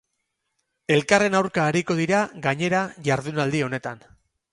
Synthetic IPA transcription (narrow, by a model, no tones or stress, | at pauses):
e̞lkare̞nawɾkaːɾiko̞ð̞iɾaɣaɲe̞ɾaʝaɾðunald̪io̞ne̞t̪an